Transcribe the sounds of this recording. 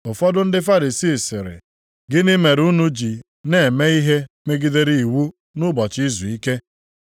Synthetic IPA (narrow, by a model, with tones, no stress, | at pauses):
ʊ˨fɔ˦dʊ˦n̩˦dɪ˦fa˦ɾi˨siː˦˨sɪ̰˨ɾɪ̰˨ | ɡɪ˦nɪ˦me˨ɾu˦nu˦d͡ʒi˨ | ne˨me˦i˦ɦe˦me˦ɡi˦de˦ɾi˦i˨wu˦ | nʊ˦bɔ˨t͡ʃi˦zu˨i˦ke˦